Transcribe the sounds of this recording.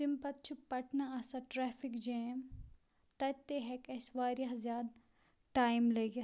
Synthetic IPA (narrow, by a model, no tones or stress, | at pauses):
simpɐt̪t͡ʃʰupɐʈnaɐsɐʈɾɛːfikd͡ʒeːm | t̪ɐt̪ːeɦɛkɐsʋaːɾjaɦzjaːd̪ | ʈaːjmleːɡɐ